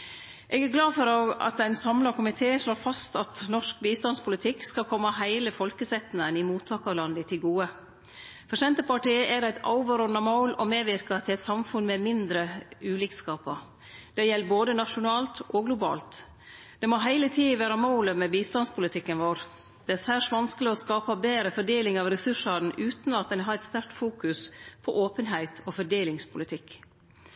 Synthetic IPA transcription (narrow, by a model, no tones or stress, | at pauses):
ʔɛːɡæɾɡlɑːfɔɾoːɡɑ̰t̪̚d̪æɪnsɑmlɑkʰʊmɪt̪ʰeːʂloːfɑst̪ɑt̪nɔʂk̚biːst̪ɑnspʰʊlɪt̪ʰɪkskɑkʰɔmːəhæɪləfɔlkəsɛt̪nənɪmuːt̪ʰːɑːkɑlɑnd̪ət̪ʰɪlɡuːə | fɔʂɛnt̪əpɑʈiːəʔɛd̪æɪt̪ɑ̰ʊʋəɾɔnɑmoːlɔmeːʋɪɾkɑt̪ʰɪlɛt̪sɑmfʉnmɛmɪnd̪ɾəʉːlɪːkskɑːpəɾ | d̪̥ɛjɛlːboːd̪ənɑʂʊnɑːlt̪ʔɔːɡlʊbɑ̰ːlt̪ | d̪̥ɛmoɦæɪlət̪ʰiːʋæːɾɑmɑʊləmɛbiːst̪ɑnspʰʊlɪt̪ʰɪkːənʋoːɾ | d̪̥ɛæsæʂʋɑnskəlɪɔskɑːpɑbeːɾəfɔɖeːlɪŋɑːʋɾɛsʉʂɑɾn̩ʔʉːt̪nɑt̪̚d̪ɛnɦɑːɾɛt̪st̪æɾk̚t̪fuːkʉspʰɔʔoːpənɦæɪt̪ʰoːfɔɖeːlɪŋspʰʊlɪt̪ʰɪkː